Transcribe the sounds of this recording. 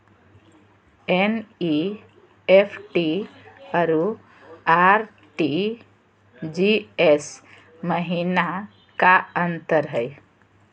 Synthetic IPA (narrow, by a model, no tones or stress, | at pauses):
eni | epʰʈiəɾu | aɾ | ʈi | d͡ʒies | məɦina | kaənt̪əɾɦəj